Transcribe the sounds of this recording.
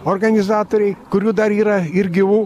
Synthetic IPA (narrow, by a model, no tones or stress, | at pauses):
orɡɐnʲɪzɑːt̪oːɾʲɛɪkʊɾʲuːd̪ɐɾiːɾɐɪɾʲɡʲɪʋuː